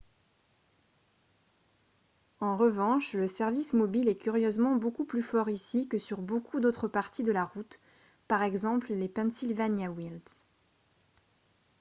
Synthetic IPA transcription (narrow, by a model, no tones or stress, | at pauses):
ɑ̃ʁəvɑ̃ʃləsɛʁvismɔbilɛkʲyʁjøzmɑ̃bokuplyfɔʁisikəsyʁbokʰud̪ot̪χəpaʁt̪ʰid̪əlaʁut̪ | paʁɛɡzɑ̃pllepɛ̃nsilvanjawils